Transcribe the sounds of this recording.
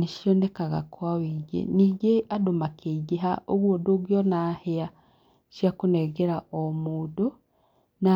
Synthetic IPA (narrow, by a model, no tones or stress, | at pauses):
neʃjonekaɣa̰kwawiːɡḛniːɡeʔadomakʰeɡeɦaʔoɣwodoɣjɔnahea | ʃjakonɛɡeɾaomoːdo | na